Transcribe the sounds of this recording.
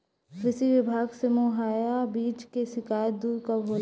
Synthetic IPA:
ɾɪsiʋɪbʱaːɡsemoɦaːjabiːt͡ʃkeʃɪkaːjd̪uːɾkabʱoːl

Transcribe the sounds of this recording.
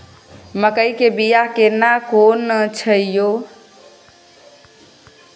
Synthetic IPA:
məkəjkebijakenakonət͡ʃʰəijo

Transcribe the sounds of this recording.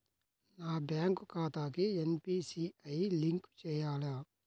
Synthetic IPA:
naːbaːŋkukaːt̪aːkienpiːsiɐjliŋkt͡ʃɛːjaːla

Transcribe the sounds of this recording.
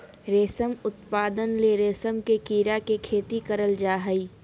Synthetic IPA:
ɾeːsəmʊt̪paːd̪ənleɾeːsəmkekiːɾakekʰeːt̪ikəɾəld͡ʒaːɦəiː

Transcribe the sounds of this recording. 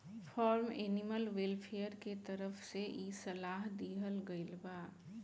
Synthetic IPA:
fʰɔːɾmeːnɪməlwelpʰejəɾket̪əɾəfseʔisɐlaːɦd̪iːɦəlɡəɪlbaː

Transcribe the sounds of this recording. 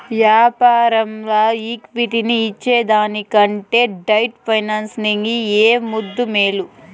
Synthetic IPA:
ʋjaːpaːɾɐmlaːiːkʋiʈiniːt͡ʃːeːd̪aːnikɐɳʈe̞ːɖɐjʈpʰɐjnaːnsniŋɡieːmud̪ːumeːlu

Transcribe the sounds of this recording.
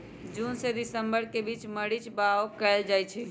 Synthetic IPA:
d͡ʒunsed̪isəmbəɾkebit͡ʃməɽit͡ʃbaokɛld͡ʒajt͡ʃʰɛ

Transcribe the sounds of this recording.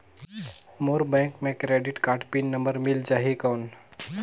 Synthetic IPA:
moːɾbɛ̃ːŋkmẽkɾeːɖɪʈkaːʈpinːəmbəɾmɪld͡ʒaːɦikawn

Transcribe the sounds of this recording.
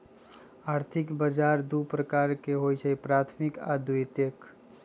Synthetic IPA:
aːɾt̪ʰɪkbəd͡ʒaːɾd̪upɾəkaːɾkeɦojt͡ʃʰəipɾaːt̪ʰmɪka̰d̪uit̪ek

